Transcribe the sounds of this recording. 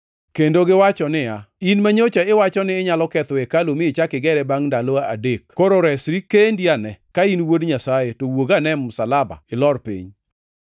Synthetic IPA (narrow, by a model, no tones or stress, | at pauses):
kendoɡɪwat͡ʃɔnɪjainmaɲot͡ʃaɪwat͡ʃɔnɪːɲalɔkɛt̪wɛkalomɪɪt͡ʃakɪɡɛɾɛbaŋndaloaa̰dekkoɾoɾɛsɾikendianɛkainwodɲasajetowoɡanɛmʊsalaba̰ɪlɔrpḭɲ